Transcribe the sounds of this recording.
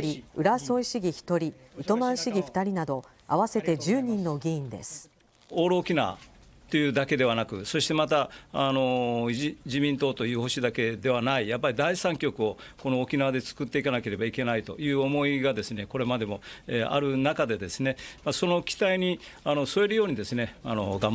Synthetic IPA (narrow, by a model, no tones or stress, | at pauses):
ɾʲiɯ̟ɾaso̞iɕiɡʲiçi̥t̪o̞ɾʲiːt̪o̞mãɰ̃ɕiɡʲiɸɯ̥t̪aɾʲinad̪o̞ | a̰βase̞t̪e̞d͡ʑɨːɲ̟ĩnːo̞ɡʲiĩnd̪e̞̰sɨ̥ | o̞ːɾoːkʲina̰ː | t̪ːe̞jɯ̟ːd̪ake̞d̪e̞β̞anakɯ̟so̞ɕi̥t̪e̞mat̪aːno̞ | d͡ʑimʲĩnt̪o̞ːt̪o̞jɯ̟ːho̞ɕid̪ake̞d̪e̞βanaijapːaɾʲid̪aisãŋkʲo̞kɯ̟o̞ | ko̞no̞ːkʲinad̪e̞t͡sɨ̥kɯ̟t̪ːe̞ikanake̞ɾe̞baike̞nait̪o̞̰jɯ̟ːo̞mo̞iɡad̪e̞sɨne̞ko̞ɾe̞mad̪e̞mo̞eʔa̰ɾɯ̟nakad̪e̞d̪e̞sɨne̞maso̞no̞kʲi̥t̪aiɲ̟i | ano̞so̞eɾɯ̟jo̞ːɲ̟id̪e̞sɨne̞anoɡãm